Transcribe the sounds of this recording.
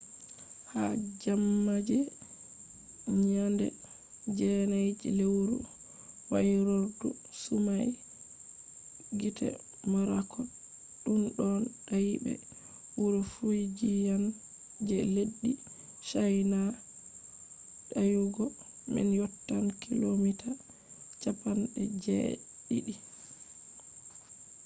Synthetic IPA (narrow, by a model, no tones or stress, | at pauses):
had͡ʒamːad͡ʒɛ | ɲandɛ̰ | d͡ʒɛnajd͡ʒḭlewɾṵ | waɾoɾdu | sumaj | ɡitʰɛ̰ | maɾakʰɔ | ɗunɗɔnɗajibɛ̰ | wuɾufujd͡ʒijan | d͡ʒɛleɗːi | ʃajna | ɗajuɡɔ | mḭnjɔtːankʰilomita | t͡ʃapanɗɛ̰d͡ʒɛ̰ɗiɗi